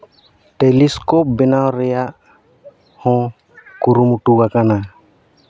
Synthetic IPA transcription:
ʈeliskɔp̚bɛnawɾɛjaʔ | hɔ̃ | kuɾumuʈuɡakana

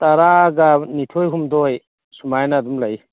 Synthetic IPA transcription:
taɾaɡanitʰojɦumdɔj | sumajnaːdumlaj

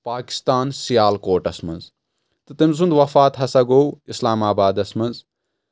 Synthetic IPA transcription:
paːki̥st̪aːnsijaːlkoːʈɐsmɐ̰nz | t̪ɨt̪emzund̪ʋɐfaːt̪ɦɐsɐɡowislaːmaːbaːd̪ɐsmɐnz

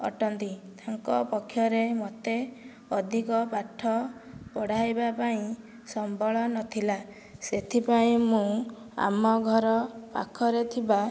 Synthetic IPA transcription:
ɔ̰ʈɔnt̪it̪aŋkɔpɔkʰːjɔɾemot̪e | ɔd̪ʱikɔpaʈʰːɔpɔɽ̤ajbapaĩ | sɔmbɔɭɔnɔt̪ʰila | set̪ʰipaĩmũ | a̰mɔɡʱɔɾɔpa̰kʰɔɾet̪ʰiba

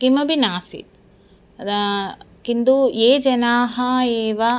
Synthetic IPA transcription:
kimɐbinaːsḭt̪̚ | kind̪ueːd͡ʒɐnaːɦɐeːʋa

